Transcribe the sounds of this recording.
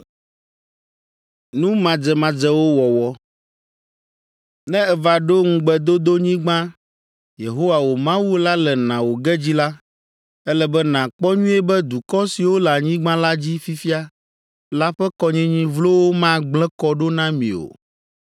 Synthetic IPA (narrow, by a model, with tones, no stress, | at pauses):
nũ˦mã˨d͡zɛ˨mã˨d͡zɛ˦wo˦wɔ˨wɔ˦ | nɛ̃˦ɛ˨va˨ɖo˦ŋũ˦ɡ͡bɛ˦d̪o˦d̪o˦ɲĩ˦ɡ͡bã˦ | je˨ɦo˦wa˨wo˨mã˦wu˦la˦lɛ˨nã˨wo˨ɡɛ˦d͡ʑi˦la˦ | ɛ˦lɛ˦bɛ˦nã˨k͡pɔ˦ɲũ˦ɛ˦bɛ˦d̪u˨kɔ˦si˨wo˦lɛ˨a˨ɲĩ˦ɡ͡bã˦la˦d͡ʑi˦fi˦fi˦a˦ | la˦ɸɛ˦kɔ˦ɲɛ̃˦ɲĩ˦vlo˦wo˦mã˦ɡ͡blɛ̃˦kɔ˦ɖo˦nã˦mḭ̃˨o̰˨